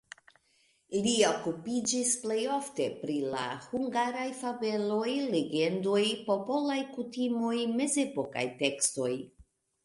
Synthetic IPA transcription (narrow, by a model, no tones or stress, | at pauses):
lio̞kupid͡ʒisple̞jo̞fte̞pɾila̰huŋɡaɾajfave̞lo̞jle̞ɡe̞ndo̞jpo̞po̞lajkutimo̞jme̞ze̞po̞ka̰jte̞ksto̞j